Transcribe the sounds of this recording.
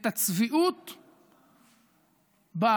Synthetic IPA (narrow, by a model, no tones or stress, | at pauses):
t̪at͡sviʔut̪ | ba